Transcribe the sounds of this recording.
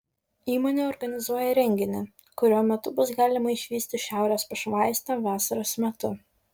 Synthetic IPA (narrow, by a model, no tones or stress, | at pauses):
iːmoːnʲeːɔɾɡɐnʲɪzuɔjɛɾʲɛŋʲɡʲɪnʲɪ | kʊɾʲuɔmʲɛt̪ʊbʊsɡɑːlʲɪmɐɪʃʲʋʲiːsʲt̪ʲɪʃʲæˑʊɾʲespɐʃmɑˑɪsʲt̪ʲɐʋɑːsɐɾoːsmʲɛt̪ʊ